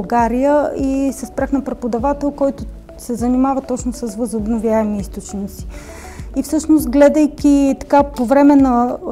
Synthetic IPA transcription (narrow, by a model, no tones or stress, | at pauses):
ɡaɾijəisɛspɾaxnɐpɾɛpod̪ɐvat̪ɛlˠkɔjt̪ʊ | sɛzənimavət̪ɔt͡ʃnosəsvəzobnovjaɛmiist̪ot͡ʃnit̪si̥ | ifsɤʃnost̪ɡlɛd̪əjkʲit̪ɐ̥kapovɾɛmɛnɐ